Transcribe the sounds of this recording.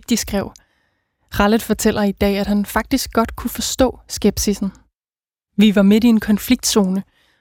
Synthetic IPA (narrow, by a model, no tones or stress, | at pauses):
d̥isɡ̥ʁɛʊ̰ | ʁɑləð̥ˠfɒt͡sʰel̰ɐid̥ɛ̰ːæd̥hænfɑ̈ɡ̥̚d̥isɡ̥̚ɡ̥ɒ̽d̥kʰufɒ̽sd̥ɔ̰̽ːsɡ̥eb̥sisn̩ | ʋiʋɑ̈me̝die̝nkʰɒ̽nfliɡ̥̚d̥so̝ːnə